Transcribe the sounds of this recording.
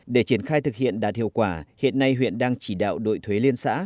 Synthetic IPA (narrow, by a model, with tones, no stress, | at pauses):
ɗe˧˩t͡ɕi˧˩ənxaː˧jt̪ʰɨ˨˩k̚hḭ˧˨ənɗaː˨˩t̚hḭ˧əkwaː˧˩hḭ˧˨ənːa˧jɦwḭ˧˨ənɗaː˧ŋt͡ɕi˧˩ɗa̰ː˧˨wɗo̰˧˨jt̪ʰwe˨˦li˧ənsa̰ː˧˥